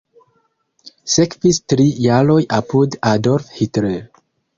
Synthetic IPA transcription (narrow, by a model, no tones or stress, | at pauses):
sekvistɾijaɾo̞jʔapudadoɾfhitɾe